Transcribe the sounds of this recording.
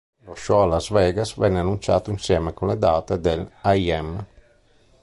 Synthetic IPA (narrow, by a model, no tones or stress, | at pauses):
loʃɔalazvɛːɡasvɛnːeanːunt͡ʃa̰ːt̪oinsjɛːmekunled̪aːt̪ed̪elajɛm